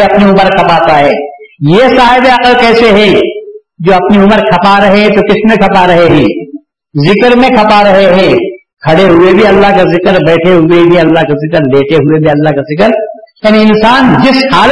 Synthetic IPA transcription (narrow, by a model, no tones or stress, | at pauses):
ɐpniʊməɾkʰɐpaːt̪aɦɛːjeːsaːɦɪbeɐqəlkɛːseɦɛ̃ː | d͡ʒoːɐpniʊməɾkʰɐpaɾɐɦeɦɛ̃t̪okɪsmẽkʰɐpaɾɐɦeɦɛ̃ː | zɪkɾmẽkʰɐpaɾɐɦeɦɛ̃ː | kʰɐɽeɦʊebʱiɐlːaɦkazɪkəɾbɛːʈʰeɦʊebʱiɐlːaɦkazɪkəɾleːʈʰeɦʊebʱiɐlːaɦkazɪkəɾjaːniɪnsaːnd͡ʒɪshaːl